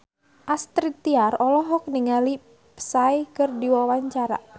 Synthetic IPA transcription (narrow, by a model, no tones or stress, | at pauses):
ʔast̪ɾit̪iarɔlɔɦɔk̚niŋali | pə̥sajkɨrdiwawaɲt͡ʃaɾa̰